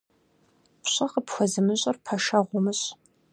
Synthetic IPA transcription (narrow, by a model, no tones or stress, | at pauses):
pɕʼɐqəpxʷɔzɨmɨɕʷʼɐrpʰɐʃɐʁʷʊmɨɕ